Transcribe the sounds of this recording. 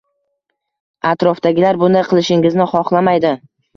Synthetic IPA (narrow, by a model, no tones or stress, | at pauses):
at̪ɾɒfd̪aɡʲɪlaɾbʊnd̪aqʰɨlˠɪʃɪŋɪznɪχɒχlˠamajd̪ɪ